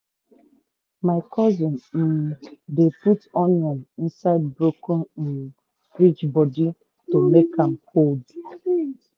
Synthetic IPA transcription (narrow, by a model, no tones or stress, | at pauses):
maɪkʰɔzɔnm̩deputɔnjɔnin̩saɪd̚bɾokɔn | ɾit͡ʃbɔdi | tomekãm̩kold